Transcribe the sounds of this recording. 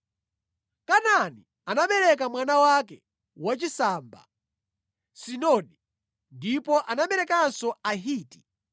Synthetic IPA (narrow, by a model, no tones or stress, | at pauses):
kanani | anaɓɛɾɛk̬amwanawakɛ | wat͡ʃisaːmba̰ | sinɔnɗi | ndipɔʔanaɓɛɾɛkansɔaɦiːti̥